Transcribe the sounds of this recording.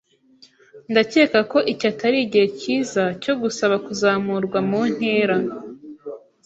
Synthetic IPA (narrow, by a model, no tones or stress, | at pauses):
ndace̞ːkako̞ʔicatʰaɾiːɟiheciːzaco̞ɡusaβakuzaːmuɾɡwamun̥he̞ːɾa